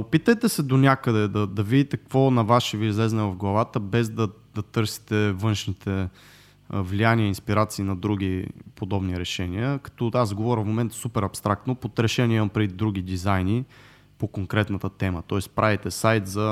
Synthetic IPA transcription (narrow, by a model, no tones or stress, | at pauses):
opit̪əjt̪ɛsɛd̪onʲakəd̪ɛd̪ɐd̪ɐvid̪it̪ɛkvɔnɐvaʃɛviizlɛznɛvɐfɡlˠɐvat̪əbɛzd̪ɐ | d̪ɐt̪ɤɾsi̥t̪ɛvɤnʃnit̪ʰɛ | vlijaniəinspiɾat̪siːnɐd̪ɾuɡ̟ipod̪ɔbniɾɛʃɛniəkɐ̥t̪ɔazɡovɔɾʲəfmomɛnt̪supɛɾɐpst̪ɾak̚t̪nopot̪ɾɛʃɛniɛɐmpɾɛd̪ɾuɡ̟ʲid̪izajni | pokoŋkɾɛt̪nɐt̪ət̪ɛmət̪ɔɛspɾʔavit̪ɛsajt̪zɐ